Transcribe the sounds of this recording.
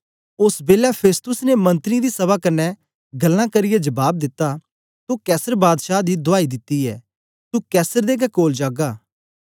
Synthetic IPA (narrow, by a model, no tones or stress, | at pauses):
ʊsbeːlapʰeːst̪ʊsnemɐ̃nt̪əɾid̪isɐβakɐnːɛ | ɡɐlːãkɐɾɪjɛd͡ʒɐbaːb̚d̪ɪt̪ːa | t̪ukɛːsəɾbaːd̪ʃaːd̪id̪ʊaːid̪ɪt̪ːiɛː | t̪ukɛːsəɾd̪eːɡɛkoːld͡ʒaːɡaː